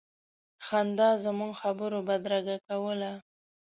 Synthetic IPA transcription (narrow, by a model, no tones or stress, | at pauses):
xand̪ɑzəmuŋɡxabəɾobad̪ɾaɡakawəla